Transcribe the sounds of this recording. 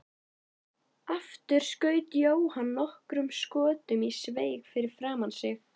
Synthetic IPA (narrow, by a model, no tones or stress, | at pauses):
aft̪ʏɾ̥skœːɥt̪joːwhanːɔhkɾʏmskɔːt̪ʏmisveːjkfɪɾɪɾ̥fɾaːmansɪx